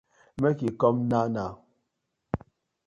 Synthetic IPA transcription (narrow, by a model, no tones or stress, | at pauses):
mɛkikɔmnana